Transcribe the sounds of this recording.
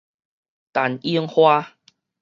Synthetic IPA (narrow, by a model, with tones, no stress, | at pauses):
t̪a˨˩ni˦əŋhwa˦